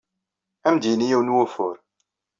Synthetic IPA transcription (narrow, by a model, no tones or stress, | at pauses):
æmd̪inijæwnwæfʊɾ